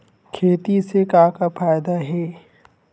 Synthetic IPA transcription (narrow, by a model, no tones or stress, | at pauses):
kʰeːt̪isekãːkafaːjd̪aɦɛː